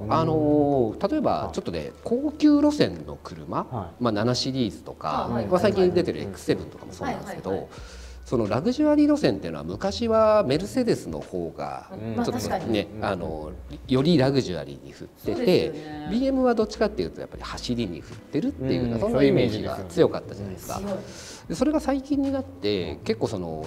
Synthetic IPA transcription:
ano̞t̪at̪o̞e̞ba̰t͡ɕo̞t̪ːonḛkʰo̞ːkʲɨːɾo̞sẽ̞nːo̞̰kɯ̟ɾɯ̟̰mamananaɕiɾʲiːzɨ̥t̪o̞ka̰masaikʲĩɲd̪e̞t̪eɾɯ̟e̞̰kɯ̥se̞bɯ̟̃nt̪o̞kamosonaãneske̞d̪o̞ | so̞no̞ɾaɡɯ̟ʑɨaɾʲiɾo̞sẽ̞nt̪e̞jɯ̟noa̰mɯ̟kaɕiβame̞ɾɯ̟se̞d̪e̞sɨno̞̰ho̞ːɡa̰t͡ɕo̞t̪ːone̞a̰no̞̰jo̞ɾʲiɾaɡɯ̟ʑɨa̰ɾʲḭɲ̟ḭɸɯ̟t̪ːe̞t̪e̞bʲiːe̞mɯ̟βad̪o̞t͡ɕːi̥kat̪ːe̞jɯ̟ːt̪o̞ja̰pːa̰ɾʲihaɕiɾʲiɲḭɸɯ̟t̪ːe̞ɾɯ̟t̪ːe̞jɯ̟ɯnasõ̞nːaime̞ːʑḭɡɡa̰t͡sɨjo̞kat̪ːad͡ʑana̰j̪esɨ̥ka̰ | d̪̥e̞soɾe̞ɡasaikʲĩɲ̟ːinat̪ːe̞̰ke̞kːo̞ːso̞no̞̰

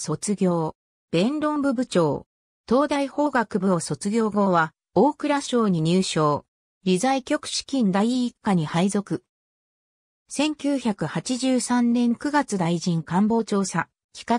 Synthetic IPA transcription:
so̞t͡sɨɡʲo̞ː | b̥ẽ̞nɾõ̞mbɯ̟bɯ̟t͡ɕo̞ː | t̪o̞ːd̪aiho̞ːɡakɯ̟bɯoːso̞t͡sɨɡʲo̞ːɡo̞ːβa | oːkɯ̟ɾaɕo̞ːɲ̟iɲ̟ɨːɕo̞ː | ɾʲizaikʲo̞kɯ̟̥ɕi̥kʲĩnd̪aiːkːaɲ̟ihaizo̞kɯ̟ | sẽ̞ŋkʲɨːçakɯ̟hat͡ɕiʑɨːsãnnẽ̞ŋkɯ̟ɡat͡sɨd̪aiʑĩŋkãmbo̞ːt͡ɕo̞ːsa | kʲi̥ka

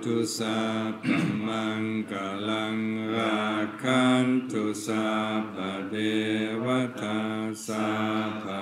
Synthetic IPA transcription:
t̪usapamaŋkalaŋɾakʰantosabadewat̪ʰasaba

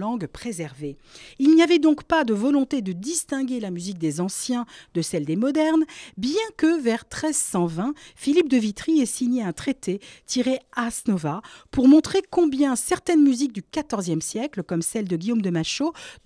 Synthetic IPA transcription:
ɑ̃ɡpχezɛʁveilniavɛd̪ɔ̃kpad̪əvɔlɔ̃t̪ed̪əd̪ist̪ɛ̃ɡʲelamyzik̚d̪ezɑ̃sjɛ̃d̪əsɛld̪emɔd̪ɛʁnbjɛ̃kəvɛʁt̪χɛzsɑ̃vɛ̃filip̚d̪əvit̪χiɛsiɲeɛ̃t̪χet̪et̪ʰiʁeasnɔvapuʁmɔ̃t̪χekɔ̃bjɛ̃sɛʁt̪ɛnmyzik̚d̪ykat̪ɔʁzjɛmsjɛkləkɔmsɛld̪əɡʲijomd̪əmaʃo

